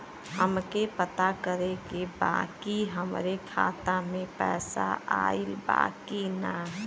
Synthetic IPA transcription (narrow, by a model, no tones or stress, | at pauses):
həmkepət̪akəɾekeba̰ːkiɦəmɾekʰa̰ːt̪amẽpɛ̰ːsa̰ʔa̰ːilba̰ːkina